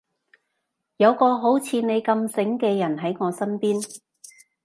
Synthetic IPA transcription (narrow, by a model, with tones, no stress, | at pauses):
jɐ˨˧wkɔː˧ɦo˨˥wt͡sʰiː˨˧ne˨˧jkɐ˧msɪ˨˥ŋkɛː˧jɐ˨˩nɦɐ˨˥jŋɔː˨˧sɐ˥npiː˥n